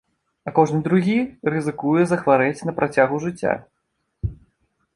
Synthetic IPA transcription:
ɐkɔʐnɨd̪ɾuɣʲirɨzɨkujɛzɐxvaɾɛt͡sʲnɐpɾat͡sʲaɣuʐɨt͡sʲːa̰

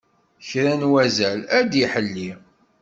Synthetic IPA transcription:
çɾænwæzælæd̪iħəlːi

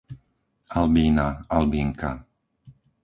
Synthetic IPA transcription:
albiːnaalbiːŋka̰

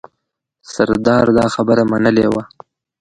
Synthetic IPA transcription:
saɾd̪ɑɾd̪ɑxabəɾamanəlewa

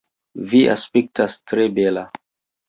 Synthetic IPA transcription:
viʔa̰spek̚tastɾebela

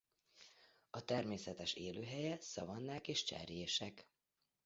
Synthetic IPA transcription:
ɒt̪ɛrmeːsɛt̪ɛʃeːløːɦɛjɛsɒ̰vɒnːaːkeːʃt͡ʃɛ̰rjeːʃɛk

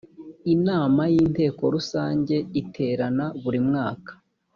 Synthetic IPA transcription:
inaːmajiːnte̞ːko̞ɾusaːɲɟe̞itʰe̞ːɾanaβuɾimŋaːkḁ

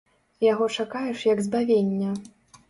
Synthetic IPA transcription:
jaɣɔt͡ʂakajɛʂjɐɡzbavʲenʲːɐ

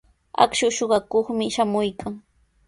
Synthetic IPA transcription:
a̰kʃʊʃoɢɑkoχmɪʃamʊjkʰaŋ

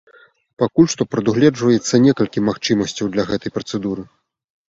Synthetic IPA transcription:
pakulʲʂt̪ɔpɾɐd̪uɣlʲɛd͡ʐvɐjɛt̪sːɐnʲɛkɐlʲkʲimaxt͡ʂɨmɐsʲt͡sʲɐwd̪lʲɐɣɛt̪ɐjpɾɐt̪sɛd̪uɾɨ

